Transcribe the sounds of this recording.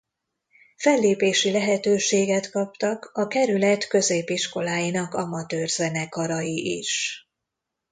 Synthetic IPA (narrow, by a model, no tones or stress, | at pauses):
fɛlːeːpeːʃilɛɦɛt̪øːʃeːɡɛt̪kɒp̚t̪ɒkɒkɛɾylɛt̪kø̞zeːpiʃko̞laːjinɒkɒmɒt̪øːrzɛnɛkɒɾɒjiʔḭʃ